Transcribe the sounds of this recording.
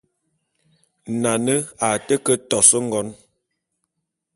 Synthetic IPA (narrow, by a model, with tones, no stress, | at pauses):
na˨nə˦a˨tə˦kə˦tɔ˨sə˦ŋ̩˦ɡɔ˨˦n